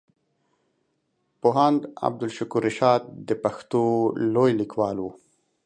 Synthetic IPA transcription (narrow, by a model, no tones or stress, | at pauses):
poɦand̪a̰b̚d̪ʊlʃʊkuɾːɪʃɑːd̪̚d̪əpaxt̪olojlikwɑːlwu